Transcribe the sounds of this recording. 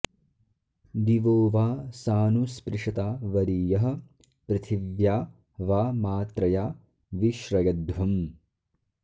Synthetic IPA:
d̪iʋoːʋaːsaːnuspɾɪʂɐt̪aːʋɐɾiːjɐɦɐ̆ | pɾɐt̪ʰiʋjaː | ʋaːmaːt̪ɾɐjaː | ʋiʃɾɐjɐd̪ʋɐm

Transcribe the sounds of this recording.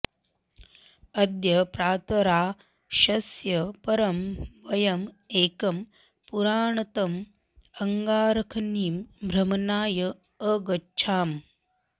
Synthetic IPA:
ɐd̪jɐpɾaːt̪ɐɾaː | ʃɐsjɐpɐɾɐmʋɐjɐm | eːkɐm | puɾaːɳɐt̪ɐm | ɐŋɡaːɾɐkʰniːmbʱɾɐmɐnaːjɐ | əɡɐːt͡ʃʰaːm

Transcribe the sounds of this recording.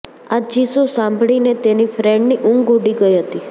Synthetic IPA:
ad͡ʒisosãmbʱɭinet̪enifɾɛɳɖniʔũŋɡɡuɖiɡəiɦət̪i

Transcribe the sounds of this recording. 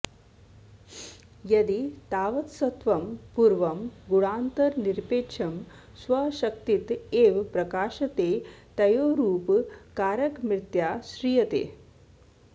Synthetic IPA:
jɐd̪it̪aːʋɐt̪sɐt̪ʋɐmpuɾʋɐmɡuɽaːnt̪ɐɾniɾpeːʂʰɐm | sʋɐʃɐk̚t̪it̪eːʋpɾɐkaːʃɐt̪et̪ɐjoːɾuːpkaːɾɐkmɾɪt̪jasɾijɐt̪ḛː

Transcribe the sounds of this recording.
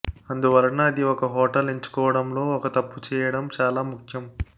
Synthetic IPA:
ɐnd̪uʋɐɾɐɳɐːd̪iɔkɐɦɔːʈɐleɲt͡ʃu̥kɔːʋɐɽɐmlo̞ːɔkɐt̪ɐpːut͡ʃɛːjɐɽɐmt͡ʃaːlaːmukʰjɐm

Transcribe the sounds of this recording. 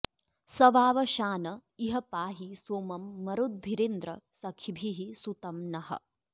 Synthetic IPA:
sɐʋaːʋɐʃaːnɐiɦɐpaːɦisoːmɐmːɐɾud̪̚bʱiɾend̪ɾɐ̰sɐkʰibʱiɦisut̪ɐmnɐɦɐ̰̆

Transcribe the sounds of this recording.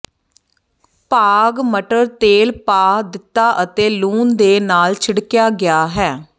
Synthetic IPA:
paːɡməʈəɾt̪eːlpaːd̪ɪt̪ːaːʔət̪eːluːnd̪eːnaːlt͡ʃʰɪɽkjaːɡɪjaːɦɛː

